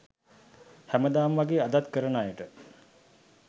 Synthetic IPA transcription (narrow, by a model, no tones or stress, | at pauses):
hæməd̪aːmʋaɡeːad̪at̪kəɾənaːjəʈə